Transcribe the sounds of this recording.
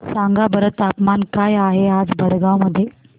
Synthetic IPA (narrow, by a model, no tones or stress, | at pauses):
saŋɡabəɾət̪apmankajaɦead͡zbʱəɽɡawməd̪ʱːje